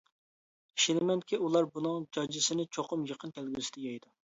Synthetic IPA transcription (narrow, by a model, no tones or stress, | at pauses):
i̥ʃinɪmɛnkʲiulˠɑɾbunɨŋd͡ʒɑd͡ʒɪsɪnɪt͡ʃʰoqʰʊmjəqənkʲʰælɡʲysɪd̪ɛjɛjd̪u